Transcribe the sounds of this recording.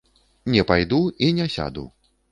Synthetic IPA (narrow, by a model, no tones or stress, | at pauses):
nʲɛpajd̪uinʲɛsʲa̰d̪ṵ